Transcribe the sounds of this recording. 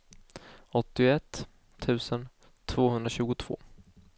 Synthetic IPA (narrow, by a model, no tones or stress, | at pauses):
ɔt̪ːɪʊɛt̪ː | t̪ʰːʉ̟ːsən | t̪ʰv̥oːɦɵnd̪ɾaɕʉ̟ːɡʊt̪ʰv̥o̰ː